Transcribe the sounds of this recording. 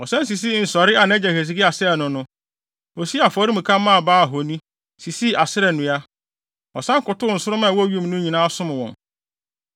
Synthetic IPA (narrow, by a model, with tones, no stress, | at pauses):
ɔ˨sã˦n˦s̬i˨s̬i˦˨n̩˨sɔ˨ɾɪ˦a˨nɛ̃˦d͡ʑɛ˨he˨s̬i˨ɡɪ˦a˨sɪ˦ɾɛ˨nʊ̃˨nʊ̃˦ | ɔ˨si˦a˨fɔ˨˦ɾi˦mũ˨kʰã˦mːã˦a˨baː˦˨ɦo˨nĩ˦ | si˨si˦a˨sɪ˦ɾɛ˨nʊ̃˨a˦ | ɔ˨sã˦ŋ˦kʊ˨tʊ˦n̩˨sʊ˦ɾʊ˦mã˦˨wɔ˦˨ɥu˦m˨nʊ̃˦ɲĩ˨nãː˦sʊ̃˦m̃˨wɔ̰̃˨n